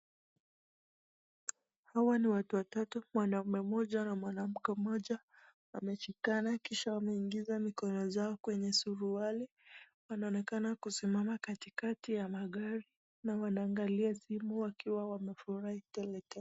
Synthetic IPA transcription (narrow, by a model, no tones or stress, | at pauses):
hawaniwatuwatatumwanaumɛmɔʄanamwanam̩kɛmɔʄa | wamɛʃikanakiʃawamɛiŋɡizamikɔnɔzaɔkwɛɲɛsuɾuali | wanaɔnɛkanakusimamakatikatijamaɠaɾi | nawanaːŋɡaliasimuwakiwawamɛfuɾahitɛlɛtɛ